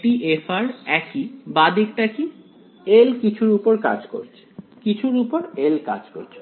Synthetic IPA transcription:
ʈiʔefaɾɛkibad̪ik̚ʈaki | elkit͡ɕʰuɾupoɾka̰d͡ʑko̰ɾt͡ɕʰe̥kit͡ɕʰuɾupoɾelka̰d͡ʑko̰ɾt͡ɕʰe̥

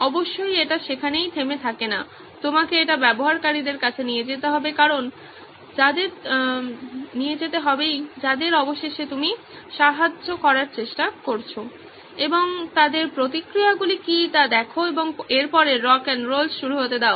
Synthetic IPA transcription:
ɔboʃːojeʈaʃekʰanejt̪ʰemet̪ʰakena | t̪omakeeʈabɛboɦaɾkaɾid̪eɾkat͡ɕʰenijed͡ʑet̪eɦɔbekaɾon | d͡ʑad̪eɾ | nijed͡ʑet̪eɦɔbejd͡ʑad̪eɾɔboʃeʃet̪umi | ʃaɦad͡ʑːokɔɾaɾt͡ɕeʃʈakoɾt͡ɕʰo | eboŋt̪ad̪eɾpɾot̪̬ikɾijaɡulikit̪ad̪ɛkʰoeboŋeɾpɔɾeɾɔkenɾolsʃuɾuɦot̪ed̪ɛo

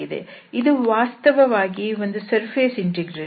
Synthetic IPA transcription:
id̪ḛid̪uʋaːst̪ɐʋɐʋaːɡio̞nd̪usɐɾpʰeːsiɳʈiɡɾe

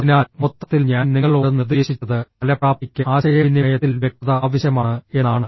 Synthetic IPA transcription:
ðinaːlmot̪ːɐt̪ːilɲaːnniŋːɐɭoːɽnirðeːɕit͡ɕːɐðɨpɐlɐpraːp̪̚ikʲːɨaːɕɐjɐinːejɐt̪ːilʋjek̚t̪ɐðɐaːʋɐɕjɐmaːɳɨe̞nːaːɳɨ

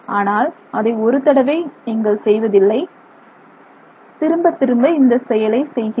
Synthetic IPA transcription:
aːnaːl | ɐðɐɪɔɾɯt̪ɐɽɐʋɐɪniːŋɡɐɭsɛjʋɐðɪlːɐɪ | t̪ɪɾɯmbɐt̪ːɪɾɯmbɐɪnd̪ɐsɛjɐlɐɪsɛjɣɪ

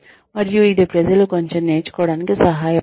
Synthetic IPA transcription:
mɐɾjuid̪epɾed͡ʒɐlukoɲt͡ʃɐnːeːt͡ʃu̥koːɽanikisɐɦaːj

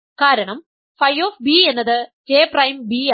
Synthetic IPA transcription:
kaːɾɐɳɐm | fɐjoːfbie̞nːɐðɨd͡ʑe̞ːprɐjmbi

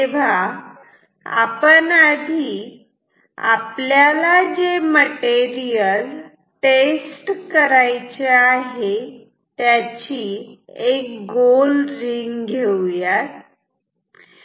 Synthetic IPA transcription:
t̪eʋ̤a | a̰pənad̪ʱiː | a̰pljalad͡ʑeməʈeɾijəl | ʈesʈkəɾajt͡ɕeaɦe | t̪jat͡ɕiːek̚ɡolɾiŋɡɡʱewjat̪

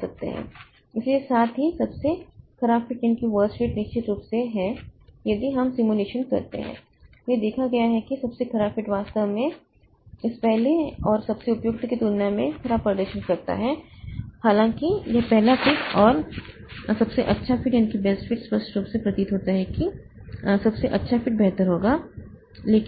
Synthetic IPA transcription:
sɐk̚t̪ḛɦɛ̰̃ː | ɪsliesaːt̪ɦisɐbsekʰɐɾaːbfɪʈjɐnkiʋəːɾsʈfɪʈnɪʃt͡ʃɪt̪ɾuːpseɦɛjɐd̪ʱiɦɐmsɪmuleːʃənkɐ̰ɾt̪ḛɦɛ̰̃ː | jed̪eːkʰaɡɐjaɦɛkisɐbsekʰɐɾaːbfɪʈʋaːst̪əʋmẽ | ɪspɛɦleɔːɾsɐbseʊpjʊk̚t̪kit̪ʊnjamẽkʰɐɾaːbpɾɐd̪əɾʃənkɐɾt̪a̰ɦɛhaːlãːŋkijɐpɛɦlafɪʈɔːɾ | sɐbseʔɐtːʃʰafɪʈjaːnikibɛːsfɪʈsʋəɾsʈɾuːpsepɾɐt̪it̪ɦoːt̪aɦɛki | sɐbseʔɐtːʃʰafɪʈ̚bɛɦt̪əɾɦoːɡaː | leːk

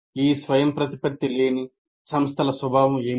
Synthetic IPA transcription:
iːsʋɐjɐmpɾɐt̪ipɐk̚t̪ːileːni | sɐmst̪ʰɐlɐsʋɐbʱaːʋɐmeː

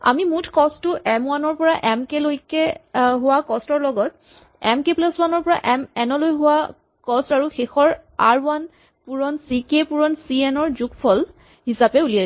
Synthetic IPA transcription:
a̰mimutʰkɔsʊʔɛmwanɔɹpɔɹaʔɛmkelojkɛɦʊwakɔstɔɹlɔɡɔt | ɛmkeplaswanɔɹpɔɹa̰ʔɛmɛnɔlojɦʊwa | kɔstaɹuxexɔɹaɹwan | puɹɔnsikepuɹɔnsiɛnɔɹzukpʰɔl | ɦisapɛulija

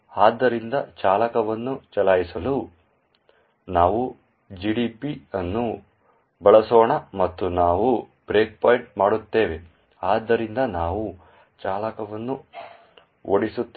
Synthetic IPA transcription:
aːd̪ːɐɾind̪ɐt͡ʃaːlɐkɐʋɐnːut͡ʃɐlaːjisɐlu | naːʋu | d͡ʒiːɖipiɐnːu | bɐɭɐsoːɳɐmɐt̪ːunaːʋu | b̥ɾeːk̚paːjɳʈmaːɽut̪ːe̞ːʋe̞ | aːd̪ːɐɾind̪ɐnaːʋu | t͡ʃaːlɐkɐʋɐnːu | oɽisut̪ː

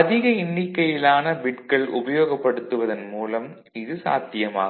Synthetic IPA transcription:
ɐðɪɣɐɪnːɪkːɐjɪlaːnɐbɪʈkɐɭʔʊ̰bɐjoːɣɐpːɐɽɯt̪ːɯʋɐðɐnmuːlɐm | ɪðɯsa̰ːt̪ːɪjɐma̰ːɣ

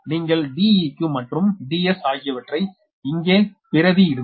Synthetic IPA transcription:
niːŋɡɐɭɖiːikːɯmɐʈrɯmɖiːɛsaːɣɪjɐʋɐʈrɐɪ | ɪŋɡeːpɪɾɐðiɪɾɯ

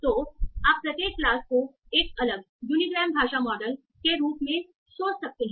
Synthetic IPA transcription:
t̪oːaːpːɾɐt̪eːkklaːsko | eːkɐləɡ̚ | juːniɡɾɛːmbʱaːʃamɔːɖəl | keɾuːpmẽ | soːt͡ʃsɐk̚t̪eɦɛ̃

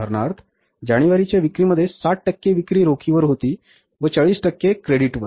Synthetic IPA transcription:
əɾɳaɾt̪ʰ | d͡ʑaɽ̃iʋaɾit͡ɕjaʋikɾiːməd̪ʱːjesaʈ̚ʈəkːeʋikɾiːɾokʰiʋəɾɦot̪iː | ʋət͡ɕaɭiːsʈəkːekɾeɽiʈʋəɾ

